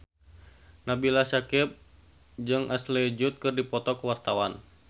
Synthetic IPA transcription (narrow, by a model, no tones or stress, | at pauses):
nabilasakip̚ | d͡ʒɨŋʔaslɛd͡ʒut̪̚kɨrdipɔt̪ɔkəwart̪awan